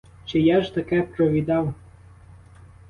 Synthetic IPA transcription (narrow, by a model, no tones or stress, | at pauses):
t͡ʃɪjaʒt̪akɛpɾɔʋʲid̪ɑw